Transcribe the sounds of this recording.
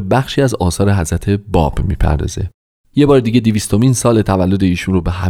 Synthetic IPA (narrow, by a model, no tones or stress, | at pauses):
bæxʃiːæzɒːsɒːɾe̞ɦæzɾæt̪ʰe̞bɒ̰ːbmiːpʰæ̰ɾd̪ɒ̰ːze̞̰ | jebɒːɾed̪iːɟe̞d̪iviːst̪o̞miːnsɒːlet̪ʰævælːo̞d̪e̞iːʃuːnrobe̞ɦæ